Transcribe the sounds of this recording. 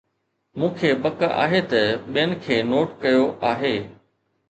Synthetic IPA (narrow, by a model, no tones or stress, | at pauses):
mũːkʰebɐka̰ːɦet̪ɐɓijənɪ̆kʰeːnoːʈkɐjoʔaːɦeː